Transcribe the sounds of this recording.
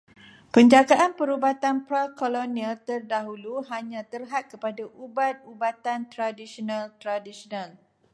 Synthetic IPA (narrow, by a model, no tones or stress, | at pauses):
pəɲd͡ʒaɡaʔanpəɾubat̪anpɾakolonialt̪ərdaɦuluɦaɲãt̪ərɦat̪̚kəpadaʔubat̪̚ubat̪ant̪ɾadisiɔnãlt̪ɾadisɔnãl